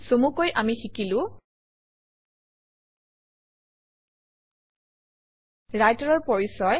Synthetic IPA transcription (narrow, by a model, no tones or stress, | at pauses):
somukojʔamixikilʊ̃ | ɹajtaɹɔɹpɔɹisɔj